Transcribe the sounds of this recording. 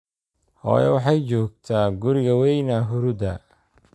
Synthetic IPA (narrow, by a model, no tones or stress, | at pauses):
hɔ̰ːjɛ̰wɑħɑjt͡ʃɔːɡ̚t̪ʰaːɡʊɾɪɣɐwɛjnɐɦʊɾʊd̪ɐ